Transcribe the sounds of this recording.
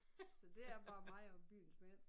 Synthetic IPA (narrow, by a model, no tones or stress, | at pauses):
sɒ̽d̥e̝æɐb̥ɑ̈ːmɑ̈ɪɒ̽b̥y̰ːn̩sme